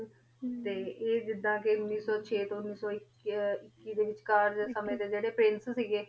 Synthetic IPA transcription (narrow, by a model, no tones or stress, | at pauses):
t̪eːeːd͡ʒɪd̪ːãːkeʊnːiːsɔːt͡ʃʰeːt̪õʊnːiːsɔːɪk | ɪkːiːd̪eːʋɪt͡ʃkaːɾd̪eːsəmẽːd̪eːd͡ʒeːɽeːpɾɪnssiːɡeː